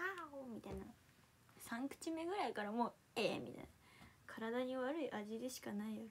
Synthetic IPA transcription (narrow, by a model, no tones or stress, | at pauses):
aoːmʲit̪aina | sãŋkɯ̥t͡ɕime̞ɡɯ̟ɾaikaɾamoː | eːmʲḭt̪a̰ina | kʰaɾad̪aɲ̟iβaɾɯ̟iʔaʑid̪e̞ɕi̥kanaijoɾ